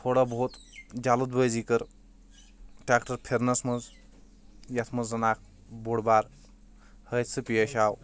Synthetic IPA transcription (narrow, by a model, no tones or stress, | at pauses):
t̪ʰoːɽabot̪d͡ʒalud̪bəjzikəɾ | ʈɾaːkʈəɾpʰeɾnɐsmɐz | jɐt̪ʰmɐzːɐnaːk̚ | boɽbaːɾ | həjt̪sɨpijeʃaːw